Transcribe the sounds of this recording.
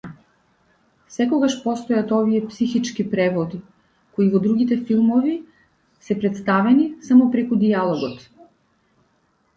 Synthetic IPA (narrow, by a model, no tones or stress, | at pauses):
sɛkɔɡaʃpɔst̪ɔjat̪ɔvijɛpsixit͡ʃkipɾɛvɔd̪i | koivɔd̪ɾuɡit̪ɛfilˠmɔvi | sɛpɾɛt̪st̪avɛnisamɔpɾɛkud̪ialˠɔɡɔt̪